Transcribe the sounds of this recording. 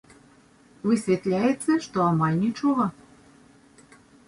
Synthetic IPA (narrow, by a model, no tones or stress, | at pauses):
vɨsʲvʲet̪lʲæjet͡sːeʃt̪oɑmɑlʲnʲit͡ʃoɣɤ